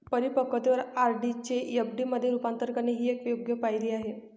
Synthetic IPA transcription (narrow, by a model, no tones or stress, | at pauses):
pəɾipəkət̪eʋəɾaɾɖit͡ɕejəbɖiːməd̪ʱːjeɾupant̪əɾkaneɦiːekʋjoɡjəpajliːaɦe